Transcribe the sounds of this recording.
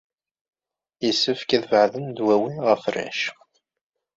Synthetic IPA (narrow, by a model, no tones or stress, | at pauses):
jəsːəfkæðvəʕðənd̪wæwinʁəfræ̰ʃ